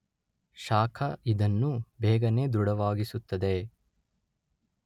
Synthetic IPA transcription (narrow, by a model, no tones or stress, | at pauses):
ʃaːkʰɐid̪ɐnːubɛːɡɐne̞ːd̪uɽɐʋaːɡisut̪ːɐd̪e